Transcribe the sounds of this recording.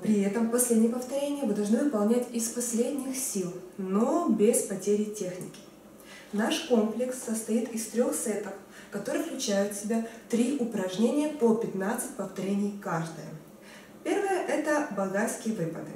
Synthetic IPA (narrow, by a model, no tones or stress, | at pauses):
pɾʲɪɛt̪əmpɐsʲlʲedʲnʲɪjəpəft̪ɐɾʲenʲɪjəmɨd̪ɐlˠʐnɨvɨpɐlˠnʲætʲɪspɐsʲlʲed̪ʲnʲɪxsʲilˠnobʲɪspɐtʲeɾʲɪtʲe̞xnʲɪ̰kʲɪ̥ | naʂkomplʲɪksːəst̪ɐit̪ɪst̪ɾʲo̞xsɛt̪əf | kɐt̪o̞ɾɨjəklʲʉt͡ɕæjʊt̪sʲɪbʲat̪ɾʲiʔʊpɾɐʐnʲenʲɪjəpopʲɪt̪nat̪sɨt̚ʲpəft̪ɐɾʲenʲɪjkaʐd̪ə̰jə̰ | pʲe̞rvɨjəʔɛt̪əbɐɡat̪skʲɪjəvɨpəd̪ɨ